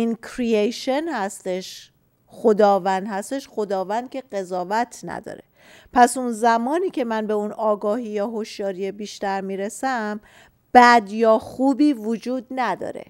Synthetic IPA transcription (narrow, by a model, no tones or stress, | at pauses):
inkʰɾiejʃenhæst̪eʃ | χo̞d̪ɒːvænd̪hæst̪e̞ʃχo̞d̪ɒːvænd̪̥̚kʲʰe̞ɢe̞zɒːvæt̪ʰnæ̰d̪ɒ̰ːɾe̞ | pʰæsunzæmɒːniːcʰe̞mænbe̞unɒːɡɒːɦiːjɒːɦo̞ʃjɒːɾijebiːʃt̪æɾmiːɾesæm | b̥æd̪jɒːxuːbiːvod͡ʒuːd̪̚næd̪ɒ̰ːɾḛ